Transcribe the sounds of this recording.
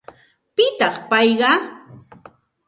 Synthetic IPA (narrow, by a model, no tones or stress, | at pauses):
pɪt̪ɑχpɑjɢɑ